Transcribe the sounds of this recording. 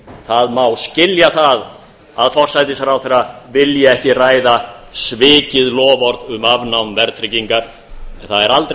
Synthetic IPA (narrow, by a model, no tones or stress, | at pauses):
θaðmawscɪljaθað | aðfɔr̥sajt̪̬ɪsaɾawθejɾavɪljɛɛhcɪraːjðasvɪːcɪðlɔːvɔɾðʏmavnawmvɛɾt̪ʰɾɪciŋkaɾ̥ | ɛnθaðɛɾalt̪ɾ